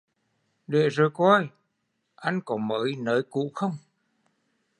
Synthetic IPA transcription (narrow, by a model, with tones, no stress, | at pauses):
ɗe˧˨zo˨˩jkɔ˧j | ʔa˧jŋ̟kɔ˨˦mə̰ː˨˦jnəː˨˦jkṵ˧˨xə˧wŋ͡m